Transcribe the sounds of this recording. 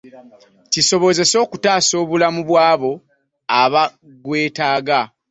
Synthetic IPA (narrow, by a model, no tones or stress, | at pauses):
ciso̞βo̞ze̞so̞ːkutaːso̞ːβulamuβwaːβo̞ | aβa | ɡwe̞ːtaːɡa